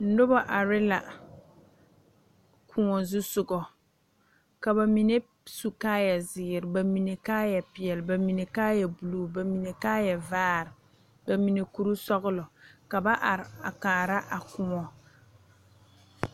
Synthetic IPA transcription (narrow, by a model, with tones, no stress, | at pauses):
n̩˦dʊ˦ba˦ʔa˨ɾɪ˦la̰˨ | kʰʊ˦ŋɔ˨zʊ˦sʊ˨ɡɔ˨ | ka˨ba˨mi˨ne˦ | su˨kaː˦jɛ˨zɪː˨ɪ˨ɾɪ˨ba˨mi˨ne˨kaː˦jɛ˨pɪ˨ɛ˨lba˨mi˨ne˨kaː˦jɛ˨bu˨lu˨ba˨mi˨ne˨kaː˦jɛ˨vaː˦ɾɪ˨ | ba˨mi˨ne˨ku˨ɾu˦sɔ˦ɣʊ˦lɔ˨ka˨ba˦ʔa˨ɾɪ˨a˨kaː˨ɾa˦ʔa˨kʊ˦ŋɔ˨